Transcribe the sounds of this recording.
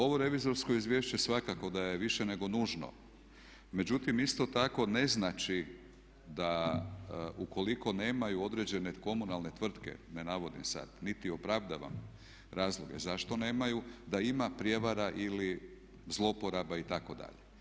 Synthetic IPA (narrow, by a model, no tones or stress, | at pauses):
o̞ʋo̞ɾe̞ʋizo̞ɾsko̞izʋʲje̞ʃt͡ɕe̞sʋakako̞d̪ajeʋiʃene̞ɡo̞nuːʒno̞̰ | me̞d͡ʑut̪imist̪o̞t̪ako̞ne̞znat͡ʃi | d̪a | uko̞liko̞ne̞ːmajuo̞d̪ɾe̞d͡ʑeneko̞munalne̞t̪ʋr̩t̪ke̞̰ne̞naʋo̞d̪imsa̰d̪̥nit̪io̞pɾaʋd̪aʋa̰m | ɾaːzlˠoɡḛzaʃt̪o̞ne̞ːmajud̪aimapɾʲje̞ʋaɾaʔili | zlˠo̞po̞ɾabait̪ako̞d̪a̰ʎe